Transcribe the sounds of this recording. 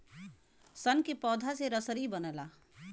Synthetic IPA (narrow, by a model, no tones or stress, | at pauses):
sənkepɔːd̪ʱaseɾəsəɾibənəla